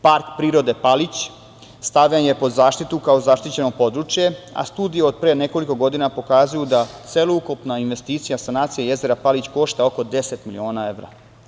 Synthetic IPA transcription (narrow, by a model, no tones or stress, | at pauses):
paɾkpɾiːɾo̞d̪e̞palit͡ɕ | st̪aʋʎenje̞po̞zaːʃt̪it̪ukaozaʃt̪it͡ɕe̞no̞po̞d̪ɾut͡ʃje̞a̰st̪uːd̪ijeod̪̚pɾeːne̞ko̞liko̞ɡo̞d̪inapo̞kazujud̪at̪seloukupnainʋe̞st̪iːt̪sijasanaːt̪sijeje̞ze̞ɾapalit͡ɕko̞ʃt̪ao̞ko̞d̪e̞set̪milio̞ːnae̞ʋɾa̰